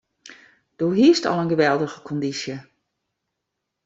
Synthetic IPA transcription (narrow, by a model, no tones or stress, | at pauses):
d̥oːɦiəstɑ̰lˠənɡəʋɛlˠdəɣəkʰɔndisjə